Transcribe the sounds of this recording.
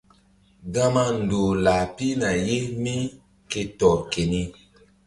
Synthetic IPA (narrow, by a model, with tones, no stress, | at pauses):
ɡã˦mã˦n˨do˨la˨pi˦nã˨je˦mĩ˦ | ke˧tɔ˨ke˨nĩ˧